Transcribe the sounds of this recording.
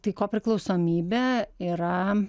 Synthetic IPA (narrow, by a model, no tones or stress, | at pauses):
t̪ɐɪkoːpʲɾʲɪklˠɐʊsoːmʲiːbʲeːiːɾɐ